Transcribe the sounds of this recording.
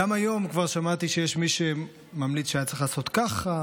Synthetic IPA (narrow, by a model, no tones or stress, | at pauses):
amajo̞mkvaʁʃamat̪iʃejeʃmiʃe | mamlit͡sʃeajatt͡seixlaːso̞t̪kaχa